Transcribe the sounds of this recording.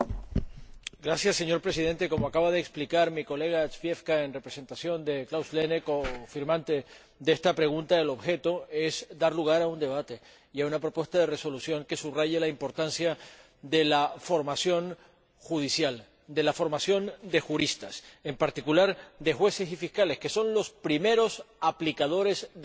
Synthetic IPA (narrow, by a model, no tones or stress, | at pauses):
ɡɾasjasːe̞ɲo̞ɾpɾe̞sið̞e̞nt̪e̞ko̞moakaβað̞eːksplikaɾmiko̞le̞ɣ̞asfje̞fkae̞nre̞pɾe̞se̞nt̪asjo̞nd̪e̞klawslenekofiɾmãnt̪e̞ | d̪ee̞st̪apɾe̞ɣunt̪aelo̞βxe̞t̪o̞e̞zd̪aɾluɣ̞aɾaund̪e̞β̞at̪e̞ | iaunapɾo̞pwest̪aðe̞re̞so̞lusjo̞ŋke̞suβraʝelaimpo̞ɾt̪ansja | ðe̞lafo̞ɾmasjo̞ŋ | xuðisjal | d̪e̞lafo̞ɾmasjo̞nd̪e̞xuɾist̪ase̞mpaɾt̪ikulaɾd̪e̞xwe̞se̞sifiskale̞skeso̞nlo̞spɾime̞ɾo̞saplikað̞o̞ɾe̞z